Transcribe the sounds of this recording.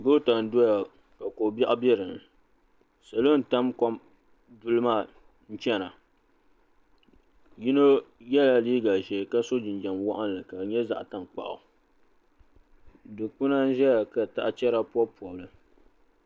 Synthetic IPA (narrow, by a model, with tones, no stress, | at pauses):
ɡo˦ta˨n˨˦dɔ˦ja˨ | ka˨ko˨ba˦ʔa˦bɛ˦ɾɨ˨n | sa˨lo˦n̩˨ta˦mkɔ˦m | du˦lɨ˦maː˦˨ | n̩˦t͡ʃɛ˦na˨ | ji˦no˦jɛ˦la˦liː˦ɡa˨ʒɛ˨ka˦so˦d͡ʒɪ˨nd͡ʒa˨mwa˦ʔa˦n˨lɨ˨ka˨bɲɛ˦za̰˨ʔta˨ŋ˨k͡pa̰˨ʔʊ̰˨ | dɨ˨k͡pʊ˦na˦n̩˦ʒɛ˦ja˨ka˨ta̰˦ʔa˦t͡ʃɛ˦ɾa˦pɔ˦pu˨ɔ˨lɨ˨